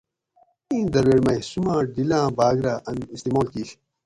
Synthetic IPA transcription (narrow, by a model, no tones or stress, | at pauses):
ĩːd̪ɐɾweːɽmɐjsumãːɖilãːbaːɡɾaːʔɐnist̪iːmoːlkiːɕ